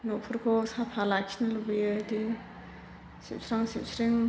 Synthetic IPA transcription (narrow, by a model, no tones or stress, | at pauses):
nopʰuɾkʰɔsapʰalakʰinalubijɯdi | sḭp̚sʰɾaŋsip̚sʰɾiŋ